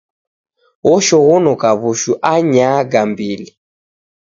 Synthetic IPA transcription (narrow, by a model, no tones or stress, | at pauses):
ɣɔʃɔɣɔnɔkaβuʃuʔaɲaːɡambili